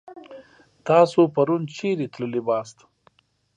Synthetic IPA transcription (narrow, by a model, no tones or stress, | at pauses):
t̪ɑːsopaɾunt͡ʃeɾet̪ləlibɑst̪